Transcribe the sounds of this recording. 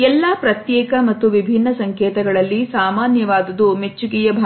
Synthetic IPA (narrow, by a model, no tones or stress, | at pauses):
ɛlːaːpɾɐt̪jɛːkɐmɐt̪ːuʋibʱinːɐsɐŋkɛːt̪ɐɡɐɭɐlːisaːmaːnjɐʋaːd̪ɐd̪umet͡ʃːukijɐbʱa